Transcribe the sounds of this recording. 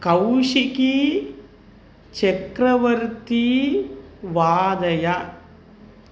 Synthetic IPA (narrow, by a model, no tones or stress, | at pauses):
kɐwʂiki | t͡ʃekɾɐʋɐɾt̪i | ʋaːd̪ɐjɐ